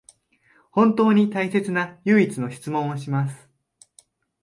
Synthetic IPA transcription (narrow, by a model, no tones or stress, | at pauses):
hõ̞nt̪o̞ːɲ̟it̪aise̞t͡sɨnajɯːit͡sɨno̞ɕi̥t͡sɨmõ̞ɰ̃oɕimasɨ̥